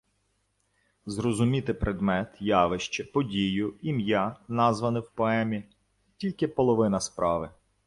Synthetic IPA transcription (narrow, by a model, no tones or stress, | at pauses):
zɾɔzʊmʲit̪ɪpɾʔed̪mɛt̪jɑʋɪʃt͡ʃɛpɔdʲijʊimjanɑzʋɐnɪwpɔɛmʲi | tʲilʲkɪpɔlˠɔʋɪnɐspɾʔɑʋɪ